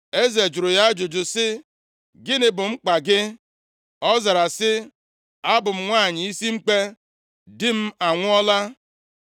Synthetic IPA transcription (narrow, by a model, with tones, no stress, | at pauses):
e˦ze˨d͡ʒʊ˨ɾʊ˨ja˦d͡ʒʊ˨d͡ʒʊ˨sɪ˦ | ɡɪ˦nɪ˨bʊ˨ŋ͡m̩˦k͡pa˨ɡɪ˦ | ɔ˦za˨ɾa˨sɪ˦ | a˦bʊ˨m̩˦ŋʷaː˦˨ɲɪ˨i˦si˦ŋ͡m̩˦k͡pe˦ | dɪ˦m̩˦a˨ŋʷʊ˦ɔ˦la˦